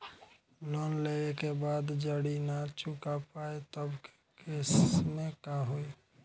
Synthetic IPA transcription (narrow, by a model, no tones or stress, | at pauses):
nɔnleekebaːd̪d͡ʒəɽinat͡ʃukapaet̪əbk | kesmekaɦoe